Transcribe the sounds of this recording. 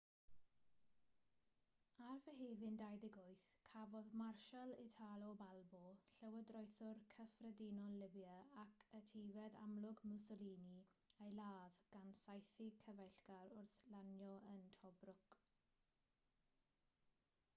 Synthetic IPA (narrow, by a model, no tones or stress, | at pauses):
arvɛɦeːvɪndajðɪɡɔjθkʰavɔðmarʃalˠɪtʰalɔbalˠbɔɬɛwədrɔjθʊrkʰəfrədinɔllːɪbjəakʰətʰevɛða̰mlʊɡmʊsɔliːniejlaːðɡ̥ansajθikʰəvɛɬɡaɾʊrθlanjɔəntʰɔbrʊk